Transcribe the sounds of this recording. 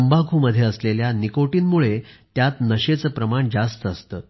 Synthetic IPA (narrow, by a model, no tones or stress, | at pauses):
əmbaɡʰʱuməd̪ʱːjeəsleljanikoʈiːnmuɭet̪jat̪nəɕet͡səːpɾəmaɳd͡zast̪əəst̪əː